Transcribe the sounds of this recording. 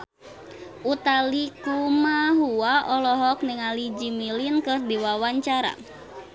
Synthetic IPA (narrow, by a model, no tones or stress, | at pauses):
ʔut̪alikumaɦuaʔɔlɔɦɔk̚nɪŋalid͡ʒimilinkɨrdiwawaɲt͡ʃaɾa̰